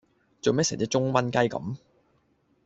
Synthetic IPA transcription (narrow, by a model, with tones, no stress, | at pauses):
t͡so˨wmɛː˥sɛ̰˨˩t͡siː˧˥t͡sʊ˥ŋwɐ˥nkɐ˥jkɐ̰˨˧˥m